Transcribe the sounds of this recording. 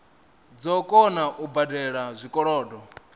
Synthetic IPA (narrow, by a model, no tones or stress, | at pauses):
d͡zɔkʼɔnaʔubadɛɺazʷikʼɔɺɔːdɔ